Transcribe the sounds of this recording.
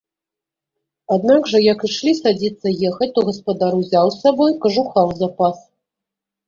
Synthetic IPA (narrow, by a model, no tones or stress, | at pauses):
ad̪̚naɡʐɐjɐkɨʂlʲisad͡zʲit̪sːɐjɛxɐt͡sʲt̪ɔɣɐspɐd̪aɾuzʲawsabɔjkɐʐuxawzapas